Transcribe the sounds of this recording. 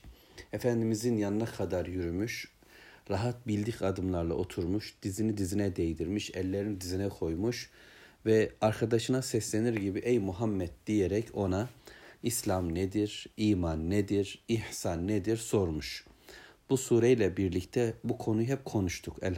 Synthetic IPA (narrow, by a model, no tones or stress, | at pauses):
efænd̪imizinjanɯnakʰad̪aɾjyɾymyʃ | ɾaɦat̪̚bilʲd̪icʰad̪ɯmlˠaɾlˠa̰ʔo̞t̪ʰuɾmuʃd̪̥izinid̪izinɛd̪ejd̪iɾmiʃɛlʲːeɾinid̪izinɛkʰo̞jmuʃvɛaɾkʰad̪aʃɯnasɛslʲeniɾɟibiʔejmuɦamːɛt̪̚d̪ijeɾɛcʰo̞naislʲamned̪iɾiːmanːed̪iɾihsanːed̪iɾso̞ɾmuʃ | b̥usuːɾejlʲɛbiɾlʲict̪ʰɛbukʰo̞nujɦɛp̚kʰo̞nuʃt̪ʰukɛ̰l